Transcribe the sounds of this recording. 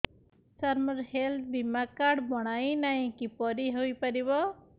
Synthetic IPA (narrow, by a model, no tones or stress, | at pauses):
saɾmɔɾhelt̪̚ʰbimakaɾɖbɔɽ̃ajnaĩkipɔɾiɦojpaɾiβɔ